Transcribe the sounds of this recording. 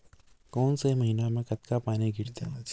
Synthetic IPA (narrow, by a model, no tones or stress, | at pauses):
kɔːnsemɐɦiːnamẽkɐt̪kapaːniɡʱɪɾt̪e